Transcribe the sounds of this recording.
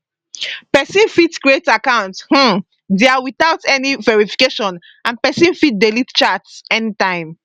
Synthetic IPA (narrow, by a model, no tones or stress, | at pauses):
pɛsĩnfitkɹietakãʊ̃nth̩ | deawiθaʊtɛnivɛɹifi̥keʃɔ̃n | ãnpɛsĩnfit̚delitt͡ʃatsɛnitãɪ̃m